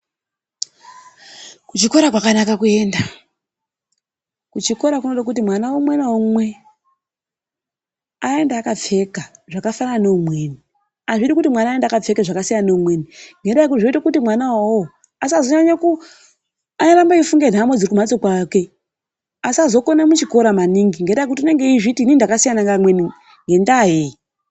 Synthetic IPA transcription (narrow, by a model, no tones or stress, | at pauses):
kut͡ʃiko̞ɾakwakanakakue̞ːnda | kut͡ʃiko̞ɾakunoɗak̬ut̬imwanawomwenaumwe̞ | ae̞ndaːkab͡ve̞kaʐakafanaanoumwe̞ːni | aʐitikutimwanaːendakab͡ve̞keʐakasijannoumwe̞ːniŋɡendaek̬uiʐoitekutimwanawawo | asiazoɲaɲeku | anoɾambaifuŋɡe̞n̤amwed͡ziikumat͡sokwake̞ | asiazo̞konemut͡ʃiko̞ɾamaniŋɡiŋɡendaakutiine̞ŋɡeiʐitiːnindakasijanaŋamweni | ŋɡe̞ndaɦe